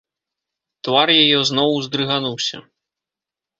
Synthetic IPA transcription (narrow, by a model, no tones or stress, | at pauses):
t̪varjajɛznɔwzd̪ɾɨɣanuwsʲɐ̰